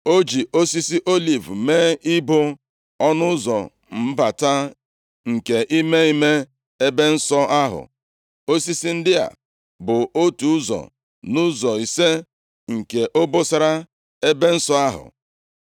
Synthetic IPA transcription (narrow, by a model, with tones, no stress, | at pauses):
o˦d͡ʒi˨ʔo˦si˦si˦ʔo˦li˨vmeː˦i˦bʊ˦ | ɔ˦nʊ˦zɔ˨ | m̩˦ba˨ta˦ | ŋ̩˨ke˨ʔi˦me˦i˦me˦ | e˦be˦n̩˦sɔ˦ʔa˦ɦʊ̰˨ | o˦si˦si˦n̩˦dɪ˦a̰˨ | bʊ˨o˦tu˨ʊ˦zɔ̰˨ | nʊ˦zɔ˨i˨se˦ | ŋ̩˨ke˨ʔo˦bo˦sa˦ɾa˦ | e˦be˦n̩˦sɔ˦a˦ɦʊ̰˨